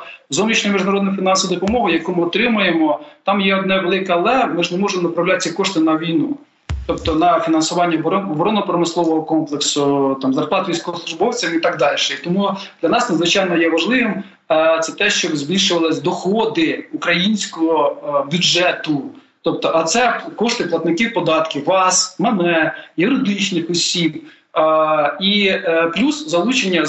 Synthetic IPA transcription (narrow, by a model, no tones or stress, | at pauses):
zɔwnʲit͡ʃnɔjmʲiʒd̪ɐɾɔd̪nʊjfʲinɑnsʋɐd̪ɔpɔmɔɦʊjɐkumɪɔt̪ɾɪmʊjemɔt̪ɑmjɛɔd̪nɛʋelˠɪkɛlˠɛmɪʒnemɔʒemɔnɐpɾɐwlʲat̪sʲɐkɔʃt̪ɪnɐʋʲijnu | t̪ɔpt̪ɔnɐfʲinɐnsʊʋɑnʲːɐbɔbɔɾɔnɔpɾɔmɪslˠɔʋɔɦɔkɔmplˠeksʊt̪ɑmzɐrplˠɑt̪ʋʲijsʲkɔɔsˠʊʒbɔwt͡sʲɐmit̪ɑɡ̚d̪ɑlʲʃɛit̪ɔmud̪lʲɐnɑsnɐdzʋɪt͡ʃɑjnɔjɛʋɐʒlˠɪʋɪm | t̪sɛt̪ɛʃt͡ʃɔbzʲbʲilʲʃʊʋɐlˠɪsʲd̪ɔxɔd̪ɪukɾɐjinʲsʲkɔɦɔbʲjud͡ʒɛt̪ʊ | t̪ɔp̚t̪ɔʔɐt̪sɛkɔʃt̪ɪplˠɐt̪nɪkiwpɔd̪ɑt̪kɪʋɑsmɛnɛjʊɾɪd̪ɪt͡ʃnɪxɔsʲib | iplʲuszɐlˠut͡ʃenʲːɐ